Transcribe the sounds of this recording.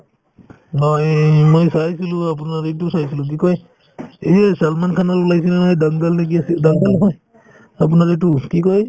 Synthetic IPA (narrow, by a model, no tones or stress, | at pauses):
nɔjmojsajsilʊ̃ap̬unaɾit̬usajsilʊ̃k̬ikɔj | eɦsalmankʰanalulajsinanɔjdaŋɡalnek̬iasidaŋɡalɦɔj | ap̬unaɹit̬ukikɔj